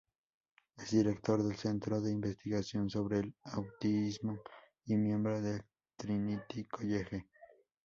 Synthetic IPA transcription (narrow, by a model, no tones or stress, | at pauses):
esd̪iɾekt̪oɾðelsent̪ɾoðe̞imbest̪iɣasjonsoβɾelawt̪iizmo | imje̞mbɾoðel | t̪ɾinit̪ikʰojexe